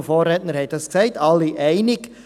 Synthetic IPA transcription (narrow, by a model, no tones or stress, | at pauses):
foːɾɛtnəɾhɛt̚d̥ɑsksɛɪtʰɑlːiʔɛɪnɪɡ